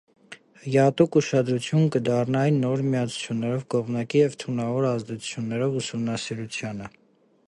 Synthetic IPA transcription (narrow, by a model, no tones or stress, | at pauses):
həjɑt̪ukuʃɑd̪ɾut͡sʰjunkəd̪ɑrnɑnːɔɾmiɑt͡sʰu̥t͡sʰjunːɛɾɔvkɔʁmnɑkijɛvt̪ʰunɑvɔɾɑzd̪ɛt͡sʰu̥t͡sʰjunːɛɾɔvusumnɑsiɾut͡sʰjɑnə